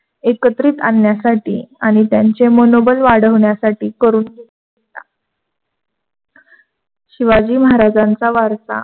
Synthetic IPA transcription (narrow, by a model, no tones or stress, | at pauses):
ekət̪ɾiːt̪anjasaʈḭːaɽ̃it̪jaɲt͡semonobəlʋaɽəʋɳjasaʈiːkəɾuːnɡeuɡet̪a̰ | ɕiʋad͡ʑiːməɦaɾad͡zant͡saʋaɾsa̰